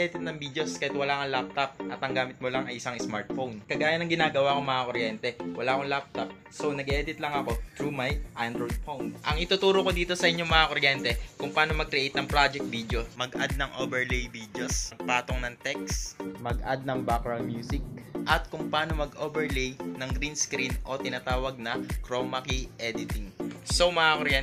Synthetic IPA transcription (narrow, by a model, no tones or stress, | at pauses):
ɛd̪ɪt̪nɐŋbiːd̪joskɐjɛt̪̚wɐlaːkɐŋlap̚t̪ɐp̚ʔɐt̪ɐŋɡaːmɪt̪̚molaŋɐjʔɪsaŋɪsmaɹt̪fownkɐɡaːjɐnɐŋɡɪnaːɡɐwakoŋmɐŋakoɾjɛnt̪ɛwɐlaʔkolap̚t̪ɐp̚ | so̞nɐɡʔɛːd̪ɪt̪lɐŋɐko̞t̪ɾumajʔand̪ɾojd̪̚fownʔɐŋɪt̪ʊt̪uːɾoko̞d̪iːt̪o̞sɐʔɪɲɲo̞ŋmɐŋakoɾjɛnt̪ɛkʊŋpaːno̞mɐɡ̚kɾɛʔejt̪̚nɐŋpɾad͡ʒɛk̚t̪̚vid̪jo̞mɐɡʔad̪̚nɐŋʔobɛɹlejbiːd̪josɐɡ̚paːt̪oŋnɐŋt̪ɛksmɐɡʔa̰d̪̚nɐŋbakɹɐnmjuːsɪk̚ʔɐt̪̚kʊŋpaːno̞mɐɡobɛɹlejnɐŋɡɾinskɾinʔo̞t̪ɪnat̪aːwɐɡ̚nɐkɾomɐkiʔɛd̪ɪt̪ɪŋsomɐŋakoɾjɛ